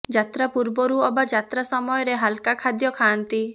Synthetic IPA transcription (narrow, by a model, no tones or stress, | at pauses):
d͡ʒat̪ɾapuɾbɔɾuɔbad͡ʒat̪ɾasɔmɔjɔɾeɦalkakʰad̪jɔkʰaːnt̪i